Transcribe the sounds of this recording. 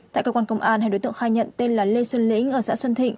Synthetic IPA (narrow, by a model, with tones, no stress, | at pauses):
a̰ː˧˨kəː˧kwaː˧kə˧wŋ͡mʔaː˧nha˧jɗo˨˦t̪ɨ̰˧˨ə˨xaː˧jɲə̰˧˨nt̪e˧nlaː˨˩le˧swə˧nlḭ̈˧˥ŋ̟ʔəː˧˩sa̰ː˧˥swə˧nt̪ʰḭ̈˧˨ŋ